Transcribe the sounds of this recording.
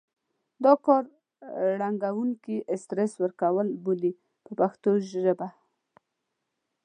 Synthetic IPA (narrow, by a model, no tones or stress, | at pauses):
d̪ɑkɑɾ | ɽaŋɡawuŋkiʔɪst̪ɾeswəɾkawəlboli | pəpaxt̪oʒʒəba